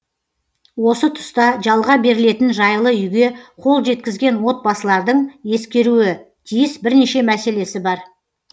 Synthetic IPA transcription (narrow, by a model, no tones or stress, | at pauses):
wo̞sət̪ʰʊ̥st̪ɑʒɑlˠʁɑbe̞ɾɪle̞t̪ɪnʒɑjlˠəʏjɡʲe̞qʰo̞lˠʒe̞t̪kʲɪzɡʲe̞nwo̞t̪̚bɑsəlˠɑɾd̪əɴje̞skʲe̞ɾuɪ | t̪ʰijɪsbɪɾne̞ʃe̞mæse̞le̞sɪbɑɾ